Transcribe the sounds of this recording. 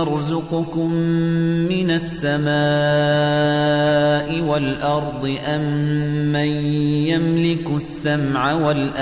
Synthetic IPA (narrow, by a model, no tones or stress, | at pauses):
ɑɾˤzʊqʊkʊmː | ɪnasːamaː | ʔɪwalʔɑɾˤd̪ˤɨʔamː | anjamlɪkʊsːamʕawalʔa